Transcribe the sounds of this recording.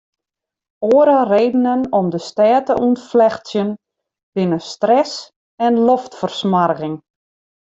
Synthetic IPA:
oəɾareːdənənɔmdəstɛːtəunflɛxtsjən | b̥ɪnəstrɛs | ɛnloftfərsmarɣɪŋ

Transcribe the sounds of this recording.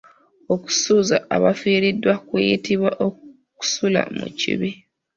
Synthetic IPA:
oku̥suːzaːβafiːɾidːwakwejitiβwaʔo | ku̥sula̰mṵcḭβi

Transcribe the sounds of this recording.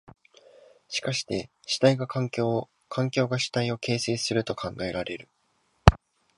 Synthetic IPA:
ɕi̥kaɕi̥t̪e̞ɕi̥t̪aiɡakʰãŋkʲoː | kʰãŋkʲo̞ːɡaɕi̥t̪aio̞ke̞ːse̞ːsɨɾɯ̟t̪o̞kʰãŋɡae̞ɾaɾʔe̞ɾɯ̟

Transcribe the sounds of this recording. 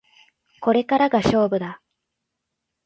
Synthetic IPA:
ko̞ɾe̞kaɾaɡaɕo̞ːbɯ̟d̪a

